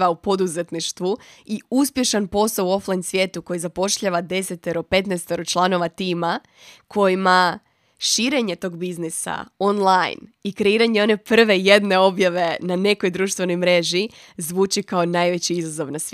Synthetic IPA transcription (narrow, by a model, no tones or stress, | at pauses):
ʋaupo̞d̪uzet̪niʃt̪ʋuiuspje̞ʃanpo̞sauo̞flˠajnsʋje̞ːt̪uko̞jizapo̞ʃʎaʋad̪e̞set̪ːeɾope̞t̪nɛjst̪eɾot͡ʃlˠano̞ʋat̪iːma | kʰo̞jima | ʃiːɾe̞ɲe̞t̪o̞ːɡbiznisa̰o̞nlˠajnikɾe̞iːɾaɲeo̞ne̞pr̩ʋe̞je̞d̪ne̞o̞bjaʋe̞nane̞ko̞jd̪ɾuːʃt̪vʋe̞no̞jmɾe̞ʒi | zʋuːt͡ʃikaonajʋe̞t͡ɕiizazo̞ʋnas